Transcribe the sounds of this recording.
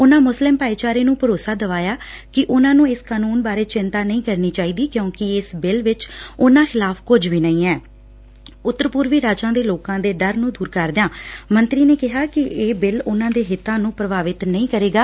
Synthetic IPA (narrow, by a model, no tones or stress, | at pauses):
ʊnãːmʊslɪmpaːiːt͡ʃaːɾeːnũːpəɾoːsaːd̪əʋaːjaːkɪʔʊnãːnũːɪskaːnuːnbaːɾeːt͡ʃɪnt̪aːnəĩːkəɾniːt͡ʃaːiːd̪iːkjõːkɪɪsbɪlʋɪt͡ʃʊnãːxɪlaːfkʊd͡ʒʋiːnəĩːɛː | ʊt̪ːəɾpʊɾʋiːɾaːd͡ʒãːd̪eːloːkãːd̪eːɖəɾnũːd̪uːɾkəɾd̪ɪjãːmənt̪ɾiːneːkɪɦaːkɪeːbɪlʊnãːd̪eːɦɪt̪ːãːnũːpɾəbaːʋɪt̪nəĩːkəɾeːɡaː